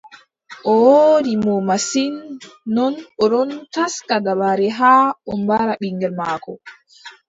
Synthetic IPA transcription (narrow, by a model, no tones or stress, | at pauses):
ʔɔwodimɔmasinːɔnɔɗɔntaskadabaɾɛɦaːɔmbaɾaɓiŋɡɛɾmaːkɔ